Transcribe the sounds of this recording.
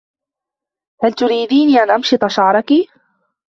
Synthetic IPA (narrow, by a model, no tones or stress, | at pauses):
halt̪ʊɾiːd̪iːniːʔanʔɑmʃɨt̪ˤɑʃɑʕɾˤɑki